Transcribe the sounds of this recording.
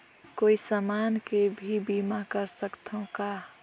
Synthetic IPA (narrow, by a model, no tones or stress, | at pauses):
koːisəmaːnkebʱibimakəɾsəkt̪ʰõka